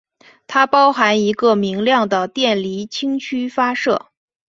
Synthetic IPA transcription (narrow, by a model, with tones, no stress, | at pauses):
t̪ʰa˥pɑ˥ʊxa˧˥ni˧˥ɡə˧mi˧˥ŋljɑ˥˩ŋd̪ə˩t̪jɛ˥˩nli˧˥t͡ɕʰi˥ŋt͡ɕʰy˥fa˥ʂɤ̰˥˩